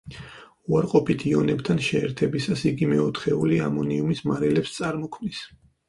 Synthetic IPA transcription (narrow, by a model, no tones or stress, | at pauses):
uaɾqʼɔpʰit̪ʰiɔnɛpt̪ʰanʃɛɛɾt̪ʰɛbisasiɡimɛɔt̪ʰχɛuliamɔniumismaɾɛlɛpst̪sʼaɾmɔkʰmnis